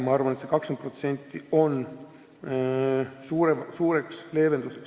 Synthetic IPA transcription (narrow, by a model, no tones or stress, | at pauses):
mɑɑrvɑnet̪sekɑksenpro̞t̪se̞nʲt̪ːˑio̞n | suːɾevsuːɾe̞ksle̞ːve̞nd̪useks